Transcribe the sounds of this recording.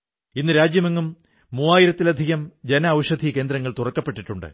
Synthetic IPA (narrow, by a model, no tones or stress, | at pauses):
inːɨɾaːd͡ʑjɐmeŋːumː | uːaːjiɾɐt̪ːilɐd̪ʱiɣɐmd͡ʑenɐːʋʂɐd̪ʱike̞ːnd̪ɾɐŋːɐɭt̪urɐkːɐpːe̞ʈːiʈːuɳɖɨ̰